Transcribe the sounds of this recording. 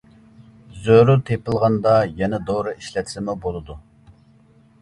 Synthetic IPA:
zøɾut̪ʰepəlˠʁɑnd̪ɑjɛnɛd̪oɾɨiʃlɛt̪ʰlɪmubolˠɨd̪u

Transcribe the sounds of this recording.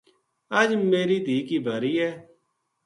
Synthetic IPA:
əd͡ʒmeːɾiːd̪ʱiːkiːbʱəɾiːɛː

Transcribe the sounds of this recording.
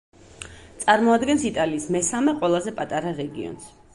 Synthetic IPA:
t̪sʼaɾmɔad̪ɡɛnsit̪ʼaliːsmɛsamɛqʼwɛlˠazɛpʼat̪ʼaɾaɾɛɡḭɔ̰ns

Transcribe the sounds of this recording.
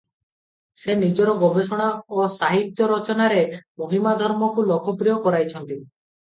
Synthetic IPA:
senid͡ʒɔɾɔɡɔbesɔɽ̃aosaɦit̪jɔɾɔt͡ʃɔnaɾemoɦimad̪ʱɔɾmɔkulɔkʰɔpɾijɔkɔɾajt͡ʃʰɔnt̪i

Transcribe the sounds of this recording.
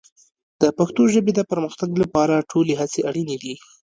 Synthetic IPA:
d̪̥əpaxt̪oʒəbed̪əpəɾməxt̪aɡlapɑɾaʈʰoleɦat͡seaɽined̪i

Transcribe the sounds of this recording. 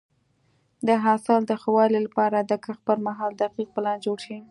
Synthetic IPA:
d̪əɦɑsɪld̪əxawɑlilapɑɾad̪əkaxpəlmaɦɑld̪aqiq̚pəlɑnd͡ʒoɽʃi

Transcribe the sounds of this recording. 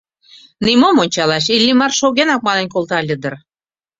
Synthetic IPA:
nimomonʲt͡ɕɑlɑʃ̬ilʲːimɑrʃoɣenɑk̚mɑnə̆nkolˠt̪ɑlʲəd̪ə̆r

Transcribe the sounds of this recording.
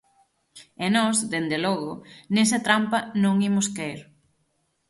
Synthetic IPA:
enɔsðend̪elɔɣʊnesɐt̪ɾampɐnõŋimʊskeiɾ

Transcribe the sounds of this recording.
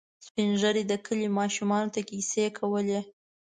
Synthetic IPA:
spinʒəɾed̪əkʰəlimɑʃumɑnot̪akisekʰawəle

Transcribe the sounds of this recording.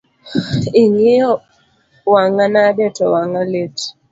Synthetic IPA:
iŋɪɔ | waŋanadɛtɔwaŋalet

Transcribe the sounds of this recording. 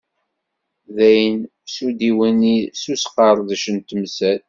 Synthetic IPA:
ðæjən | sud̪iwənisusqːəɾˤðæʃənt̪msæl

